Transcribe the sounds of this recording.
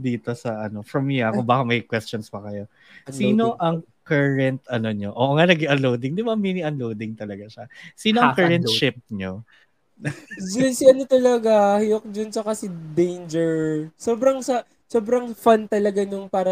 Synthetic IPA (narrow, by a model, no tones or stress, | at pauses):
d̪iːt̪osɐʔɐno̞fɹɐmːiaʊbaːkɐmɐjkwɛst͡ʃonspɐkɐjo̞ | siːno̞ʔɐŋ | kɛɹɛnt̪̚ɐnoɲoʔoʔŋanɐɡɪʔɐlowd̪ɪŋd̪ɪbamiːniʔɐnlowd̪ɪŋt̪ɐlɐɡaʃɐsiːnoɐkɛɹɛnt̪ʃɪp̚ɲo | d͡ʒonsiɐnot̪ɐlɐɡahɪjok̚d͡ʒont͡ʃɐkɐsɪd̪ejnd͡ʒɛɹsoːbɾɐŋsɐ | soːbɾɐŋfant̪ɐlɐɡaɲʊŋpaːɾɐ